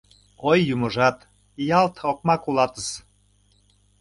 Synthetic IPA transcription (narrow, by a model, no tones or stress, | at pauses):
ojːuməʒɑt̪ | jɑlt̪ok̚mɑkulɑt̪əs